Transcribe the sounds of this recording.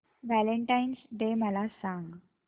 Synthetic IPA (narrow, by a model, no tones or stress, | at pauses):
ʋæleɳʈajnsɖeməlasãŋɡ